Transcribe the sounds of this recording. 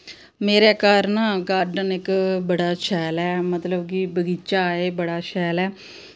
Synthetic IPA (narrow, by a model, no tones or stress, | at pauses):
meːɾeːkaːɾnãːɡaːɾɖənɪkbəɽaːt͡ʃʰɛːlɛːmət̪ləbkiːbəɡiːt͡ʃaːeːbəɽaːʃʰɛːlɛː